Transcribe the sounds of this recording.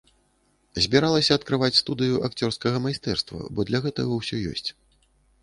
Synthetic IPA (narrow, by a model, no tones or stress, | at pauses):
zʲbʲiɾalˠɐsʲɐɐt̪kɾɨvat͡sʲst̪ud̪ɨjuʔakt͡sʲɔrskɐɣɐmajst̪ɛrst̪vɐ̰bɔd̪lʲɐɣɛt̪ɐɣɐwsʲɔjɔ̰sʲt͡sʲ